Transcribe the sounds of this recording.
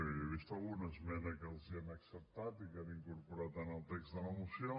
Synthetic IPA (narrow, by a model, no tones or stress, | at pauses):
βiʃt̪aunɐzmɛnɐkelˠziɐmaksɐɾt̪at̪ikɛɾɐĩŋkuɾpuɾaðɐnalˠt̪ɛksðɐlɐmusiã